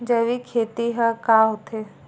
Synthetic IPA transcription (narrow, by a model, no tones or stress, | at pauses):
d͡ʒəʋikʰeːt̪iɦəkaɦot̪ʰe